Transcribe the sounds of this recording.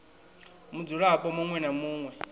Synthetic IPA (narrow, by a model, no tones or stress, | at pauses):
mud͡zuɺapɔmuŋwɛnamuːŋwɛ